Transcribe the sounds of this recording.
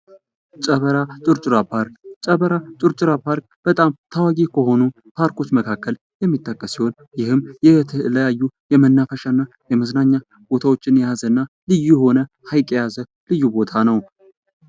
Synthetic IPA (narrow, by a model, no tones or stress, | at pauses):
t͡ʃʼəβəɾat͡ʃʼɨɾt͡ʃʼɨɾapʰaɾkt͡ʃʼəβəɾat͡ʃʼɨɾt͡ʃʼɨɾapʰaɾk | b̥ət̪ʼamt̪ʰawaɡikʰəɦo̞nu | pʰaɾkʰo̞t͡ʃːməkʰakːəl | jɛmːit̪ʼːəkʼːəsiho̞n | jɪhɨmːjɛt̪ʰələjajːujɛmənːafəʃanːa | jɛməznaɲːa | b̥o̞t̪ʰawo̞t͡ʃːɪnjɛjazənːa | lɨjːuho̞nə | hajkʼɛjazə | lɨjːubo̞t̪ʰanəw